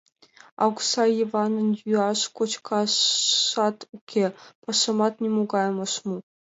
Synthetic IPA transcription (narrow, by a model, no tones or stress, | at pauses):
ɑ̰ksɑjiʋɑnɤ̆njuɑʂkot͡ɕkʰɑʂɑt̪ukʲʰːepɑʂɤ̆mɑt̪nʲemuɡɑjmɤ̆ʂmu